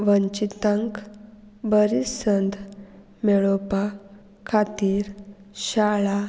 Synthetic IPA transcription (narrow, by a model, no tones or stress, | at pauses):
ʋəɲt͡ɕit̪ə̃ŋk | bəɾisənd̪ | mɛɭopa | kʰat̪iːɾ | ɕaɭa